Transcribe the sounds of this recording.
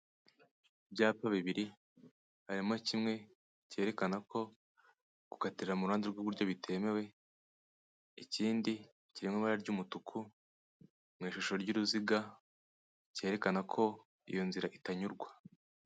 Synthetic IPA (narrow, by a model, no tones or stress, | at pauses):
bɟaːpaβiβiɾi | haɾimocimŋe̞ | ce̞ɾe̞kanakʰo̞ | ɡ̥u̥katiɾɾamuɾuaːnziɾɡoβuɾɟo̞βitʰe̞me̞we̞ | iciːndi | ciɾimŋiβaɾaɾɟuːmutukʰu | mŋiːʃuʃo̞ɾɟuɾuziɡa | ce̞ːɾe̞kanakʰo̞ | ḭjo̞nziɾaʔitaɲuɾɡwa